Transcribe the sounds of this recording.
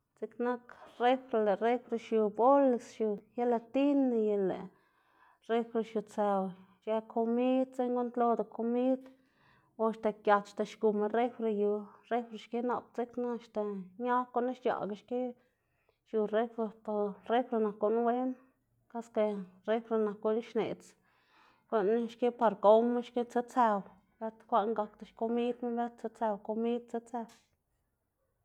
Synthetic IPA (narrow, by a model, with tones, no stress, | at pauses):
t͡si˦kna˦kre˦fɾe˧le˨re˦fɾe˧ʃju˨bo˦le˧˨sʃu˧ja˦la˧t̪i˦ne˧je˧lḛ˨ | ɾe˦fɾe˧ʃju˨t͡sa˧w | ʃe˧kʰo˧mi˦d̪t͡se˦ɲɡo˦nt̪lo˧d̪o˨kʰo˧mi˦d̪ | o˧ʃt̪e˨kja˨t̪ʃt̪e˨ʃɡu˨me˧ɾe˦fɾe˧ju˨ɾe˦fɾe˧ʃke˦na˨p̚t͡si˦kna˧ʃt̪e˨ɲa˦ko˧˦na˦ʃja̰˨ɡa˧ʃke˦ | ʃu˨re˦fɾe˧t̪o˧re˦fɾe˧na˨kːo˧˦n˦we˦n | ka˦ske˧re˦fɾe˧na˨ko˧˦ni˦ʃne˨t͡s | ko˧n˦ʃke˦pa˧ɾko˦me˦ʃke˦t͡se˦t͡se˧w | be˦t̪kʷa˦ʔŋɡa˧kt̪a˨ʃko˧mi˦d̪me˦be˦t̪̚t͡se˧˦t͡se˧wko˧mi˦d̪̚t͡se˦t͡se˧w